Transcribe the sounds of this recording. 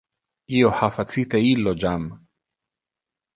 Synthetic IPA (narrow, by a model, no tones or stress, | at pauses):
iohafat͡sit̪eilod͡ʒam